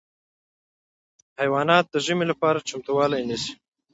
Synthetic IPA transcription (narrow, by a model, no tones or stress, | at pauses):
hajwɑnɑːt̪̚d̪əʒəmelapɑɾat͡ʃamt̪uwɑlajnəsi̥